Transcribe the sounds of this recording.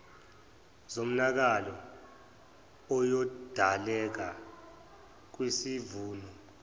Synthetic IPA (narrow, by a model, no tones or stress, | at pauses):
zom̩nak̬alɔ | ɔjɔd̥ʱalɛk̬a | k̬wisivuːnɔ